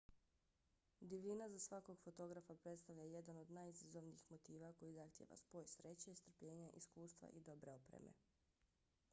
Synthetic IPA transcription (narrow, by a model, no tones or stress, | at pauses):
d̪iʋʎinazasʋako̞ɡfo̞t̪o̞ɡɾafapɾet̪st̪aʋʎaje̞d̪ano̞d̪najizazoʋniixmot̪iːʋako̞jizaxt̪jeːʋa̰spo̞ːjsɾe̞t͡ɕeist̪ɾ̩pʎe̞ːɲaʔiskuːst̪ʋa̰ʔid̪o̞bɾeopɾḛmḛ